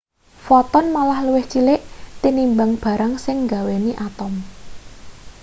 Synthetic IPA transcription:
fɔt̪ɔnmalahluwɪht͡ʃilɪʔt̪inimbaŋb̥ä̤ɾaŋsɪŋɡaweniʔat̪ɔm

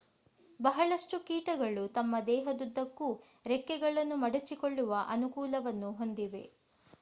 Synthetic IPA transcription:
bɐɦɐɭɐʂʈukiːʈɐɡɐɭut̪ɐmːɐd̪ɛːɦɐd̪ud̪ːɐkːuɾɛkːɛɡɐɭɐnːumɐɽɐt͡ʃːikoɭːuʋɐʔɐnukuːlɐʋɐnːuɦo̞nd̪iʋe̞̰

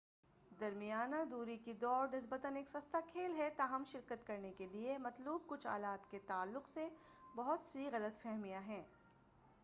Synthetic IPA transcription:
d̪ɐɾmijaːnad̪uːɾikid̪ɔːɾnɪs̬bət̪əneːksɐst̪akʰeːlɦɛt̪aːɦɐmʃɪɾkət̪kɐɾnekeliemɐt̪luːb̚kʊt͡ʃʰa̰ːlaːt̪ket̪aːlːʊqsebɐɦʊt̪siɣɐlət̪fɛɦmijaɦɛ̃ː

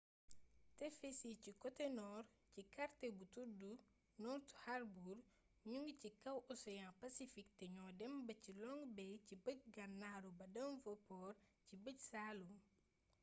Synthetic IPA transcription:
tɛfesicikɔtɛnɔrcikaɾtebutuɾdu | nɔɾtu̥haɾbuɾ | ɲuŋɡcikɐwʔɔsɛjãnpɐsifik̚tɛɲɔdɛmbɐcilɔŋɡbɛjcibəc̚ɡɐnːaːɾubɐdɐmvɐpɔːɾcibəc̚saːlum

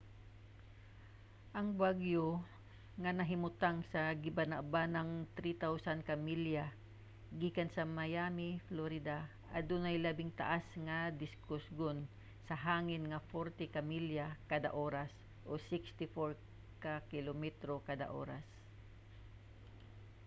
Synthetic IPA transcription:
ʔɐŋbaɡjo | ŋanɐɦɪmʊt̪aŋsaɡɪbanaʔbanɐŋt̪ɾit̪awsankamilja | ɡiːkansɐmajaːmɪfloɾɪd̪a | ʔad̪unajlabɪŋt̪a̰ʔasŋad̪ɪskʊsɡon | sɐɦaːŋɪnŋɐfoɾt̪ɪkamiljakad̪a̰ʔoːɾas | ʔosɪkst̪ɪfoɹ | kakɪlomɛt̪ɾokad̪a̰ʔo̰ːɾa̰s

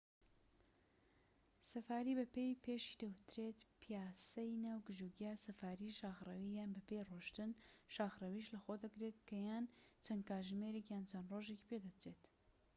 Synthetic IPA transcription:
sɐfaːɾiːbɐpejpʰeːʃi̥d̪ɐwɨt̪ɾeːt̪pʰijaːsɐjnawɡɨʒuɡijasɐfaːɾiʃaːxrɐwijaːnbɐpejroːʃt̪ɨnʃaːxrɐwiʃlɐxod̪ɐɡɾeːt̪̚kɐjaːnt͡sʰɐnkaːʒmeːɾekjaːnt͡sʰɐnroʒeki̥ped̪ɐt͡sʰeːt̪

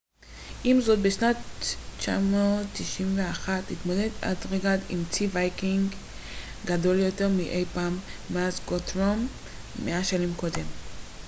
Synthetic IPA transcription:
ʔimzo̞t̪̚beʃnatt͡ʃa̰mootːiʃimve̞aχatlit̪mo̞de̞da̰dʁeɡatḭmt͡sivajkiŋɡ | ɡado̞ljo̞te̞ʁmiʔejpaːmːeazɡot̪ʁomː | eaʃanimko̞d̪e̞m

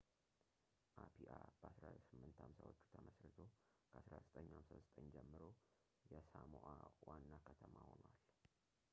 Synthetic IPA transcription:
ʔapʰiʔab̥əasɾasɨmːɨnt̪ʰhamsawot͡ʃːu̥t̪ʰəməsɾɨt̪ʰo̞ | kʰəʔasɾazət̪ʼəɲːhamsazət̪ʼəɲd͡ʒɛmːɨɾo̞ | jɛsamoʔawanːakʰət̪ʰəmahonwal

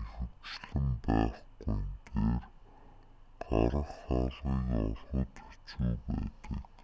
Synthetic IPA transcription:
exɘ̆kt͡ɕɮɘ̆mpæːχɡujnt̪eːr | ɢaɾə̆χaɮiːkɔɮχʊ̆t̪u̥t͡ɕujpæːt̪ə̆k

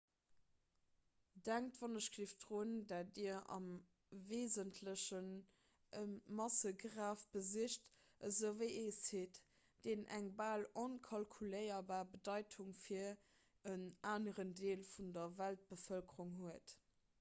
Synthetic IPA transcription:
d̥æŋtv̥ɑnəɕɡ̥lifd̥ʁoːndaːdiɐɑ̰m | veːzəntʰləɕən | əmɑsəɡʁaːfb̥əziʃt | əzəvəɪeːsheːt | d̥eːnʔæŋbaːlonkʰɑlkʰuləɪɐbaːbədɑɪtʰuŋfiɐ | ənaːnəʁəndeːlfundɐvælt̚b̥əfəlkʰəʀuŋɦuət

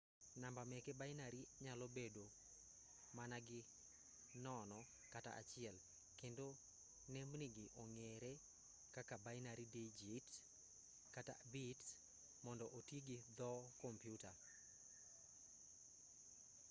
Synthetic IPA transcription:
nambamɛkebajnaɾiɲalɔbedo | manaɡɪ | nɔnɔ | kata̰ʔa̰t͡ʃɪɛl | kendo | nɛmniɡɪʔɔŋeɾe | kakabaɪnaɾidid͡ʒit | kata̰bit | mɔndɔʔotiɡɪd̪ɔkɔmpjuta

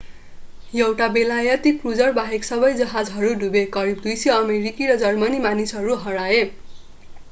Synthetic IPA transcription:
jʌwʈabelajʌt̪iprud͡zʌrbaɦeksʌbʌjd͡zʌɦad͡zɦʌɾuɖubekʌɾib̚d̪ujseʌmeɾikiɾʌd͡zʌrmʌnimanisɦʌɾuɦʌɾae

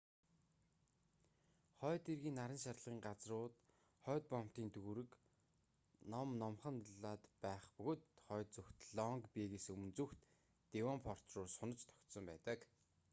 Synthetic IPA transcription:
χœːt̪erɣiːnːaɾə̆nʃat̪ɮʁiːŋɢat͡srʊːt̪ | χœːt̪̚pɔm̥ʰt̪iːnt̪ʰɵɣuɾɘ̆k | nɔmnɔmχə̆nɮaːt̪pæːχpɵɣoːt̪χœːt̪̚t͡suxt̪ɮɔŋkpeːɣesɵmnt͡suxt̪ː | ewɔmpʰɔr̥t̪rʊːsʊnə̆t͡ɕt̪ʰɔ̥kʲt̪sɞ̆mpæːt̪ə̆k

